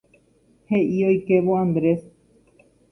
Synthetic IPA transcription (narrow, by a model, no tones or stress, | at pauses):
he̞ʔiojkeʋoãnd̪ɾe̞s